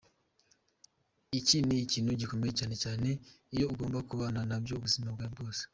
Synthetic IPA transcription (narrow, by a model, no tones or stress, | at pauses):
iciːnujiciːnuɟiko̞me̞jecaːne̞caːne̞ijo̞uɡo̞ːmbakuβaːnanabjouβuzimab̚ɡaːbɡo̞ːse̥